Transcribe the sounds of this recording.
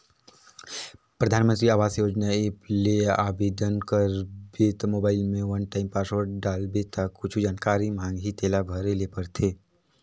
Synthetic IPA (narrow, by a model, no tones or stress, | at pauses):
pɾəd̪ʱaːnmə̃nt̪ɾiaːʋaːsjoːd͡ʒnaeːpleaːbed̪ənkəɾbeːt̪moːbaːɪlmẽʋɐnʈaːɪmpaːsʋəɾɖaːlbet̪ʰakːʊt͡ʃʰud͡ʒaːnkaːɾimãːŋɡɦit̪eːlabʱəɾelepəɾt̪ʰeː